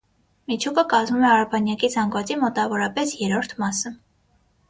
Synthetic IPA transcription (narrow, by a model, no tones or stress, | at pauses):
mit͡ʃʰukəkɑzmumɛɑɾɑpʰɑnjɑkid͡zʰɑŋɡvɑt͡simɔt̪ɑvɔɾɑpɛsjɛɾɔɾt̪ʰmɑsə